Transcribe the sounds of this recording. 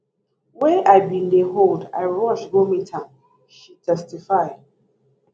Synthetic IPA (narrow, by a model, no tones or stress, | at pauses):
wɛʔaɪbĩndeɦolda̰ɪɹɔʃɡomitʰãn | ʃitʰɛstifaɪd